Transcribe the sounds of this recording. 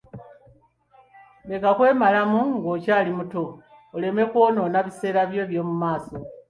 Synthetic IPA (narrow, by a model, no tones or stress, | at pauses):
βe̞kakwe̞ːmalamuŋɡoːcaːlimutoː | le̞me̞kwo̞ːno̞ːnaβise̞ːɾaβje̞ːβjo̞ːmumaːso̞